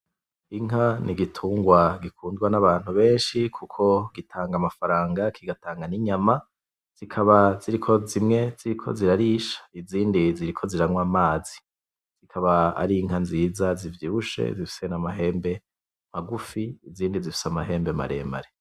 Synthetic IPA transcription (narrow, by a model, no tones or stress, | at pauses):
iŋɦanʔiɡitʰuːŋɡwaɡikʰuːndɡwanaβaːn̥huβe̞ːnʃikʰukʰo̞ɡitʰaːŋɡamafaɾaːŋɡakʰiɡataːŋɡaniɲama | z̥ikʰaβaz̥iɾikʰo̞zimŋe̞z̥iɾikʰo̞̰ziɾaɾiʃḁiziːndiziɾikʰo̞ziɾaŋwamaːzi | z̥ikʰaβaa̰ɾiŋɦanziːzazivjiuʃe̞̰zifi̥se̞namaɦe̞ːmbe̞ | m̥aɡufiːziːndizifi̥samaɦe̞ːmbema̰ɾḛmba̰ɾe